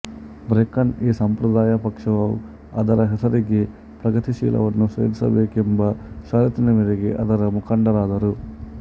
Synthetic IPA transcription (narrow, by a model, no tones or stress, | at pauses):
bɾekɐneːsɐmpɾɐd̪aːjɐpɐkʂɐʋaw̰ | ɐd̪ɐɾɐɦet̪ʰɐɾiɡi | pɾɐɡɐt̪iʃḭːlʔɐ̰ʋɐnːusḛːlsɐ̰beːkimbɐʃaːɾit̪inɐmiɾɐɡiʔɐ̰d̪ɐɾɐmukʰɐɳɖɐɾaːd̪ɐɾu